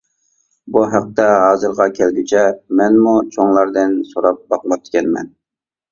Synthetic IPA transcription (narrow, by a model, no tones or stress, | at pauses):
buɦæq̚t̪ɛɦɑːzɨɾʁɑkʲʰɛlɡʲit͡ʃʰɛmɛnmut͡ʃʰoŋlˠɑɾd̪ɨnsoɾɑp̚bɑq̚mɑp̚t̪kʲɛnmɛ̰n